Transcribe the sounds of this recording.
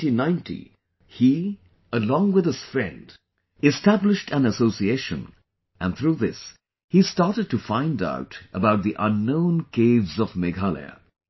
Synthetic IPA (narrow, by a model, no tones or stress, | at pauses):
ĩnãɪ̃ntʰḭ | hi | əlɔ̃ŋwɨðɨz̥fɹɛ̰̃nd | ɨstæblɨʃtʰɨ̃nəsoʊsieɪʃɨ̰̃n | ʔɨ̃nθɹuðɪs | histɑɹɾɨd̚tɨfãɪ̃nda̰ʊtʔəbaʊt̪̚ðiʔʌ̃nːõʊ̃nkʰeɪvzʌvmɨɡalˠḭ